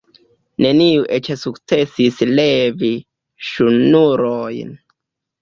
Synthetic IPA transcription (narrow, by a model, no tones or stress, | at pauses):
ne̞niuʔet͡ʃesukt͡se̞sislevi | ʃunuɾojn